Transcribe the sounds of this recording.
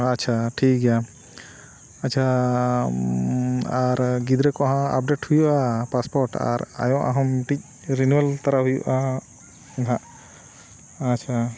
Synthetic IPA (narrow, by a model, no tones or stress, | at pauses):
act͡ʃʰaʈʰikɡɛja | act͡ʃʰa | aɾɡid̪ɾɛkɔɦãa̰p̚ɖeʈhujuʔapaspɔɾʈa̰ɾa̰jɔ̃ʔa̰ɦɔmʈic̚ | ɾinuwɛlt̪aɾaɦujuʔa | nɦãʔ | t͡ʃʰa